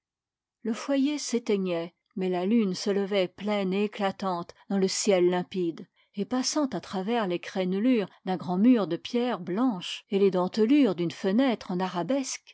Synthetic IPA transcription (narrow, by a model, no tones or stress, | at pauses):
ləfwajeset̪ɛɲɛ | mɛlalynsələvɛplɛneːklat̪ɑ̃t̪d̪ɑ̃ləsjɛlːɛ̃pid̪ | epasɑ̃t̪at̪χavɛʁlekχɛnlyːʁd̪ɛ̃ɡʁɑ̃myːʁd̪əpjɛʁblɑ̃ʃeled̪ɑ̃t̪əlyʁd̪ynfənɛt̪χɑ̃naʁabɛsk